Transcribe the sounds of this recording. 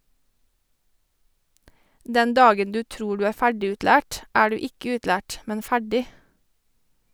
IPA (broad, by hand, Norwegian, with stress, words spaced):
ˈdɛn ˈdɑːɡən ˈdʉː ˈtɾuː ˈɖʉː ˈæː ˈfæɖɪˌʉːtlæːʈ ˈæː ˈɖʉː ˈɪkə ˈʉːtlæːʈ ˈmɛn ˈfæɖɪ